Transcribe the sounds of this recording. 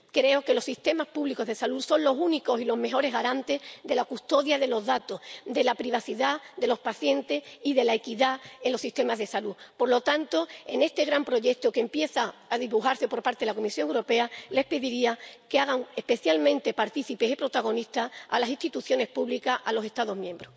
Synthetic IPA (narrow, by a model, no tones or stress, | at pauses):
kɾe̞oke̞lo̞siht̪e̞mahpuβliko̞ɦð̞e̞salusõ̞nlo̞suniko̞silo̞ɦme̞ɦo̞ɾe̞ɦɣaɾant̪e̞ðe̞lakust̪o̞ðjaðe̞lo̞ɦðat̪o̞hd̪e̞lapɾiβ̞aθiðad̪e̞lo̞hspaθje̞nt̪e̞siðe̞laekiðaenlo̞siht̪e̞maɦðe̞salupo̞ɾlo̞t̪ant̪o̞e̞̰ne̞st̪e̞ɣɾampɾo̞ʝe̞k̚t̪okempje̞θaːðiβuɦaɾsθe̞po̞ɾpaɾt̪e̞ðelako̞misjo̞ŋewɾo̞pe̞ale̞hpe̞ðiɾiakeaɣ̞aŋe̞hpe̞θjalmẽnt̪e̞paɾt̪iθipesipɾo̞t̪aɣ̞o̞niht̪aalasist̪it̪uθjo̞ne̞hpuβlikaalo̞se̞st̪aðo̞ɦmjẽ̞mbɾo